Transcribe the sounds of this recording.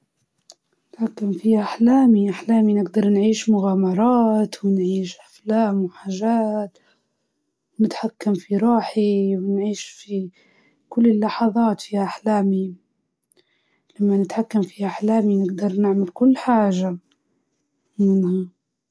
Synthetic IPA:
nɪt̪ħakːamfihʔaħlaːmiʔaħlaːminɪɡd̪ɑɾˤnʕiːʃmʊɣaːmɑɾˤɑːt̪wɪnʕiːʃʔaflaːmwħaːʒaːt̪ | wnɪt̪ħakːamfiɾˤɑːħiwɪnʕiːʃfi | kʊlːɪlːɑħɑðˤɑːt̪fiːhaʔaħlaːmi | lamːanɪt̪ħakːamfihaʔaħlaːminɪɡd̪ɑɾˤnɪʕmalkʊlːħaːʒa | mɪnha

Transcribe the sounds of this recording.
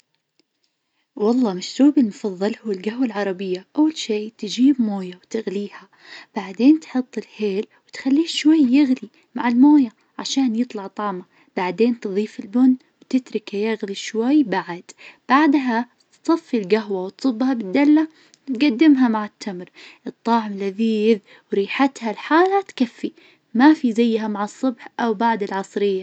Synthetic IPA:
wɑlˤːɑːmaʃɾuːbɪlmʊfɑðˤːɨlhʊːɪlɡahwalʕɑɾˤɑbɪjːaʔawːalʃeːt̪ɪd͡ʒiːbmoːjawt̪ɪɣliːha | b̥aʕd̪eːnt̪ħʊt̪ˤːɪlħeːlwɪt̪xalːiːʃwajːɪɣli | maʕɪlmoːja | ʕaʃaːnjɨt̪ˤlɑʕt̪ˤɑːma | b̥aʕd̪eːnt̪ɨðˤiːfɪlbʊn | wt̪ɪt̪ɾɪkajaɣliʃwajːbaʕad̪̥b̥aʕd̪ɦa | t̪sˤɑfːilɡaɦwawt̪sˤʊbːhabɪd̪ːalːa | t̪ɡad̪ːɪmɦamaʕɪt̪ʰːamɾʔɨt̪ˤːɑːʕɪmlaðiːð | wɾiːħat̪halħaːlat̪kafːi | mafizajːɦamaʕɑsˤːʊbħʔawbaʕd̪ɪlʕɑsˤɾɪjːa

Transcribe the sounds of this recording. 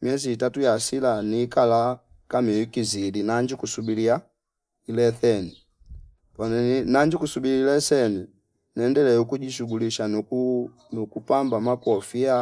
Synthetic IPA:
mjɛziːtatujasilaniːkala | kamiwikizilinaɲd͡ʒikusubilija | ilɛθɛni | pɔnɛnaɲd͡ʒikusubiliilɛsɛni | nɛndɛlɛukuɟiʃuɡuliʃa | nukupambamakɔfia

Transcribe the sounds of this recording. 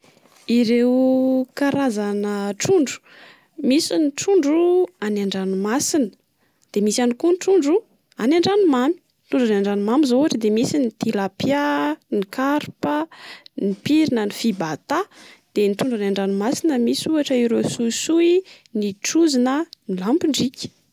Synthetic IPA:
iɾewkaɾazanəʈ͡ʂuɳɖ͡ʐu̥ | misiniʈ͡ʂuɳɖ͡ʐuanaɳɖ͡ʐanumasinə̥ | d̪̥emisanikunʈ͡ʂuɳɖ͡ʐu | anaɳɖ͡ʐanumami̥nt̪uɳɖ͡ʐanaɳɖ͡ʐanumamizoaʈ͡ʂəd̪emisinit̪ilapjanikaɾpənipiɾinənifibat̪ad̪̥enit̪uɳɖ͡ʐanaɳɖ͡ʐanumasinəmisuaʈ͡ʂəiɾosuisui | niʈ͡ʂuzinənilampiɳɖ͡ʐikʲ

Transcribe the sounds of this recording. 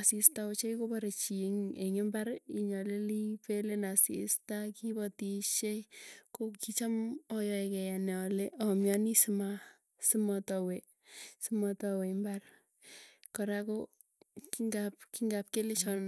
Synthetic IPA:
asistaot͡ʃeikopaɾet͡ʃiŋeŋembaɾiɲɔlelipelenasḭstakibɔtiʃekokit͡ʃamɔjɔekɛjanɛɔleʔɔmjanisima | simɔtɔwe | simɔtɔwembar | kɔɾako | kiŋɡap̚kiŋɡap̚kelet͡ʃɔ

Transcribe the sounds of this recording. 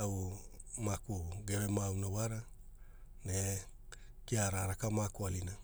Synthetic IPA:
aumakuɡe̞ɾemawnawaɾa | ne̞ | kiaɾaɾakamakoalina

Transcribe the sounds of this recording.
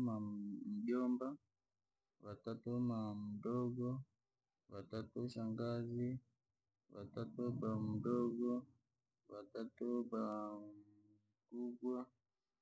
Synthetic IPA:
mam̩ʄɔmba | watatɔmam̩dɔɡɔ | watatɔʃaŋɡazi | wa̰tatɔbam̩dɔɡɔ | watatɔbam̩ | kuɡwa

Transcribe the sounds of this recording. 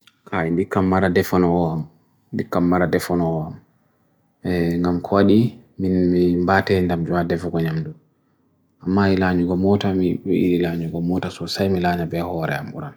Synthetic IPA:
kʰaindikːamːaɾadɛfɔnɔɔam | ndikːamːaɾadɛfɔnɔɔam | ŋɡamkʰɔwaɗiminmimbatɛndamd͡ʒɔwadɛfɔɡɔɲamdu | amːailaɲuɡɔmɔtamiiiilaɲuɡɔmɔtasɔsajmilaɲabɛhɔɾɛ̰amṵɾan

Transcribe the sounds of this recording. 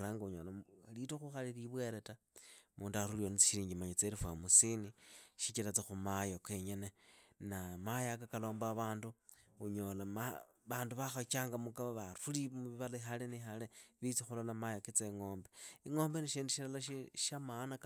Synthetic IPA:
ɾaːŋɡauɲolalitoxuxaliriβwe̞ɾe̞ta | muːnduaɾulionit͡si̥ʃiɾiːɲɡimaɲat͡seɾifwa̰musiniʃit͡ʃilat͡sexumajokweɲe̞nenamajakakalo̞ːmbaβaːnduuɲo̞lama | βaːnduβaxot͡ʃaːŋɡamukaβaβaɾulimuβiβalaixalenixaleβit͡sixulolamajakit͡seŋo̞ːmbeiŋo̞ːmbeniʃiːndiʃilalaʃiʃamanak

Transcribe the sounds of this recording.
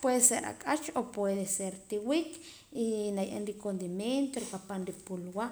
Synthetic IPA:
pweðeseɾa̰kʼat͡ʃopweðeseɾt̪iwik | inajʔḛnɾikond̪imjent̪oɾipapanɾipulwa

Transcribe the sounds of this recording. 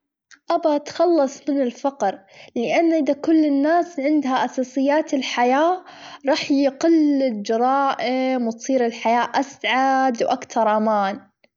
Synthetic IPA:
ʔabat̪xɑlːɑsˤmɪnɪlfɑqɾlɪʔanːʔɪðakʊlːɪnːaːsʕɪnd̪haʔasɑːsˤɨjːaːt̪ɪlħajaːɾˤɑːħjqɪlɪld͡ʒɑɾˤɑːʔɪmwt̪sˤiːɾɪlħajaːʔasʕad̪wʔakt̪ɑɾˤʔamaːn

